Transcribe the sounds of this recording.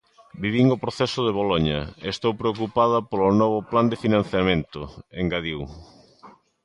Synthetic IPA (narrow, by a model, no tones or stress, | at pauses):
biβiŋopɾoθɛsʊðeβ̞oloɲɐ̰st̪owpɾeok̬upaðɐpolonɔβ̞ʊpland̪efinãn̟θjamẽnt̪ʊeŋɡaðiw